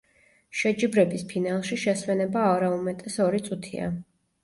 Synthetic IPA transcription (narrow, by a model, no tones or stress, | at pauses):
ʃɛd͡ʒibɾɛbispʰinalˠʃiʃɛswɛnɛbaaɾaumɛt̪ʼɛsɔɾit̪sʼut̪ʰḭa̰